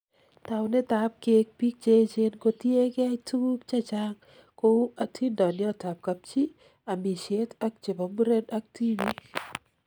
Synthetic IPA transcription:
ta˨wne˦ta˨p̚ke˨˦k̚pi˦k̚t͡ʃe˦t͡ʃe˦nko˨tje˦kɪ˦a˦tu˦k̚t͡ʃa˦t͡ʃa˦ŋ | ko˦a˨tʰi˦ndɔ˨nɪ˦ɔ˦ta˨p̚ka˨p̚t͡ʃi˦ | a˨mi˨ʃe˦ta˦k̚t͡ʃe˨bɔ˨mu˦ɾe˦da˦k̚ti˦bi˦k

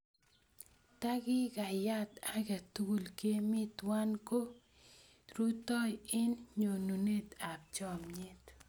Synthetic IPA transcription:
t̪a˦kɪ˦ka˨ja˦t̪a˦ka˨t̪u˦ɡu˨lke˦mɪ˦t̪wa˦nko˦ | ɾu˦t̪ɔ˦jɪ˦nɲo˨nu˨ne˦t̪a˨p̚t͡ʃɔ˦˨mɲɪ˦t̪

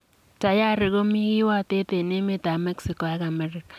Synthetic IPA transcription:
ta˨ja˦ɾɪ˨ko˦mi˦kɪ˦wa˦te˦te˨ne˦me˦ta˨mɛ˦ksi˨kɔ˨a˦ka˨mɛ˦ɾɪ˨kḁ˨

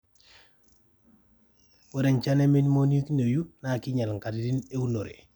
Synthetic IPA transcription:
wo˦de˨ɲt͡ʃa˦ne˦mi˦nmo˦ni˦kne˨ju˦na˨ki˦ɲa˨lŋ˨ka˨ti˨di˦ne˦u˦no˨ɾḛ˨

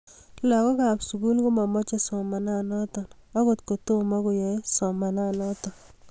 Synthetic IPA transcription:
la˨kɔ˦ka˨psu˨ku˦lko˦ma˨mɔ˦t͡ʃe˦sɔ˨ma˨na˦nɔ˦t̪ɔ˨n | a˦ɡo˨t̪ko˨to˦ma˦ɡo˨jɔ˨e˦sɔ˨ma˨na˦˨nɔ˦t̪ɔ˨

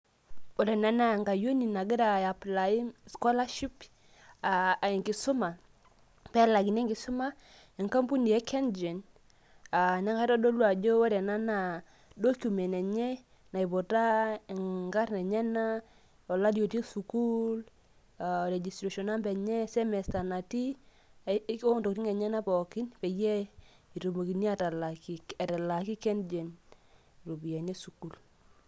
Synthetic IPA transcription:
ɔ˨ɾɛ˨na˦na˦˨ŋɡa˨jo˦ni˨na˨ɡi˦ɾa˨ja˨pla˨i˦skɔ˦la˦ʃi˦p | a˨i˨ŋɡi˨su˦ma˨ | pɛ˦la˨ɡi˨nɛ˦ŋɡi˨su˦ma˦ | ɛ˨ŋka˦mpu˦ni˨jɛ˦kɛ˦nd͡ʒɛ˨n | a˨ɲa˦ŋɡa˦ɾɔ˦do˦lwa˨d͡ʒɔ˦ɔ˦ɾɛ˨na˦na˨ | do˦kʲu˨mɛ˨nɛ˨ɲɛ˦ | na˨i˨bo˨ta˦˨ŋŋɡa˦rnɛ˨ɲɛ˦na˦ | ɔ˨la˦di˦o˨ti˦su˨ku˦l | a˨ɾe˨d͡ʒi˨stɾe˨ʃɔ˨na˦mbɛ˨ɲɛ˦sɛ˦mɛ˨sta˨na˨ti˦ | o˦nto˨kti˦ŋɛ˨ɲɛ˦na˦pɔ˨kɪ˦npe˨je˦ | i˨to˨mo˨ki˨ni˦a˦ta˨la˨ki˨ɛ˨ta˨la˨ki˦kɛ˦nd͡ʒe˨n˨ | ɾo˨bi˨jɛ˨ɲɛ˦su˨ku˦l

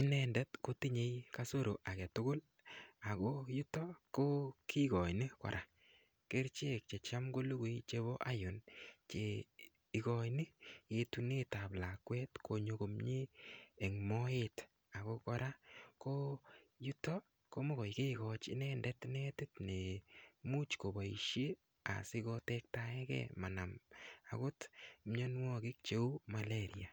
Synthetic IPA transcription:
i˦nɛndɛ˦tko˦ti˦ɲe˨˦jka˦so˦ɾo˨ʔa˨kɛ˨tʊ˦kʊ˦l | a˨ko˦ju˦tɔ˦ko˦kʰi˦kɔ˨jni˦kɔ̰˨ɾʔa˨ | ke˦ɾt͡ʃe˦k̚t͡ʃe˨t͡ʃa˦mɡo˦lu˦ɡu˦jt͡ʃe˦βo˦ʔa˦jʊ˨nt͡ʃe˨ | i˨kɔ˨jnɪ˦e˨tu˦ne˦ta˨pla˨kwɛ˦tkʰo˨ɲo˧ko˨mɲi˦ɛ˨ŋmɔet | a˨ko˦kɔɾa˦ko˦ju˦tɔ˦ | ko˦mo˦ɣɔ˨jke˦kɔ˨t͡ʃɪ̰˦nɛndɛtnɛ˦tɪ˦tne˨mu˦t͡ʃko˨ba˨ḭ˨ʃje˦ | a̰˨sɪ˦kotɛk̚taɛ˦kɛ̰˦ma˨na˨ma̰˨ɡo˦tmɲɔ˦nwɔ˦kɪ˦k̚t͡ʃe˦u˦ma˨leɾia˨

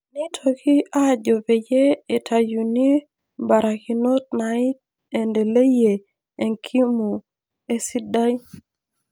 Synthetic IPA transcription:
ni˦tʰo˨ki˦a˦˨d͡ʒo˨ve˨je˦e˨tʰa˨ju˨ni˦ | ba˨ɾa˨ki˨no˦t̚na˨ɪ˦t̚ | e˨nde˨le˦je˨ | e˨ŋkʰi˦mu˨ | e˦si˦da˦j

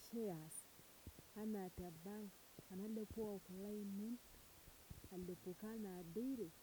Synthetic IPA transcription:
ʃe˦a˨s | a˦na˨ta˨ba˦ŋ˨a˨na˦le˦pu˦a˨ku˨la˦i˦mu˦n | a˨le˨pu˨ka˦na˨de˦i˦ɾe˨

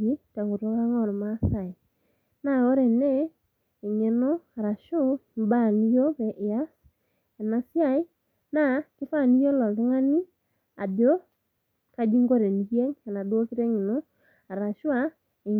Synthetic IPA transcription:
i˦ta˨ŋɡo˨ɾɔ˦βa˦ŋɔ˦˨ɾɔ˨ma˦sa˨e˨ | na˨o˦ɾɛ˨nɛː˦˨ | ɲe˨no˦a˨ɾa˨ʃo˦mba˦˨ni˦jo˦βɛ˨ʔe˨a˦s | e˨na˨sja˦˨i˦ | na˦kɪ˦fa˦˨ni˦jo˦lɔ˨le˦ŋa˦ni˦ | a̰˨ðjo˦ | ka˦d͡ʒi˦ŋɡo˦ɾe˨ni˨ɣɛ˦ŋa˨na˨dwo˦ki˦ɾɛ˦ɲe˨no˦ | a˨ɾa˨ʃwa˦ | e˨

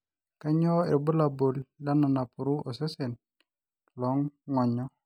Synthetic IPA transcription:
ka˦ɲɔ˦e˨ɾbə˦la˨bo˨li˦la˦na˨na˨pu˨ɾu˦ɔ˨se˦sɛ˨n | lɔ˨˦ŋːɔ˨ɲɔ˦

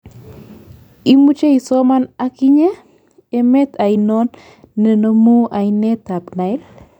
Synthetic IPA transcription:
i˦mu˦t͡ʃe˦i˨sɔ˦ma˦na˦ki˦ɲe˦ | e˦me˦t̪ʰa˨inɔ˦nː | e˨no˦mu˦ʔa˨ine˦t̪a˨pna˨i˦l

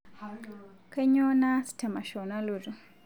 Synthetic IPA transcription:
ke˦ɲo˦na˦si̥˨tʰa˨ma˨ʃo˨na˦lu˨du˨

